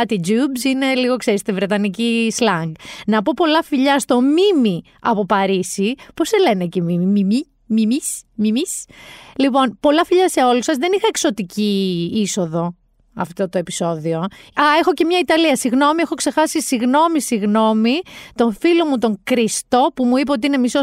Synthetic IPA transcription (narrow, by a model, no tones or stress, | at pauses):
ɐt̪id͡ʒubsine̞liɣo̞kse̞ɾist̪ivɾe̞t̪ɐnicislɐŋɡnɐpo̞po̞lɐfiʎɐst̪o̞mimi | ɐpo̞pɐɾisipose̞le̞necemimimimi | mimismimislipo̞npo̞lɐfiʎɐse̞o̞lusɐzðe̞nixɐekso̞t̪iciːso̞ðo̞ | ɐft̪o̞t̪oe̞piso̞ðio̞ɐexo̞ce̞mɲɐit̪ɐliɐsiɣno̞miexo̞kse̞xɐsisiɣno̞misiɣno̞mit̪o̞filo̞mut̪o̞ŋkɾist̪o̞pumuip̬eot̪iine̞miso